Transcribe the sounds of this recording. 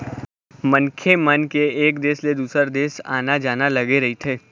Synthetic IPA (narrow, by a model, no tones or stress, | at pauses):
mɐ̃nkʰemɐnkeeːkd̪eːsled̪uːsəɾd̪eːsa̰ːnad͡ʒaːnalɐɡeɾɐɦit̪ʰeː